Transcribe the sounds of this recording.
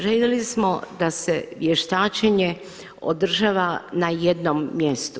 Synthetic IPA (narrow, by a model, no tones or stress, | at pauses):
ʒeljelismod̪aseʋjeʃt̪aːt͡ʃeɲe | o̰d̪r̩ʒaːʋanajed̪nomːje̞st̪u